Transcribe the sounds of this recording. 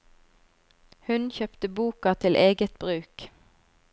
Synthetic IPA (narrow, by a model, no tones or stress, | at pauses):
hʉnçœpt̪əbuːkɑt̪ʰɪlʔeːɡət̪̚bʁʉːk